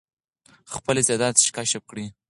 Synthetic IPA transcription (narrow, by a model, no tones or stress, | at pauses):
xpəlezed̪ɑt̪ʃkɑʃəp̚kɽi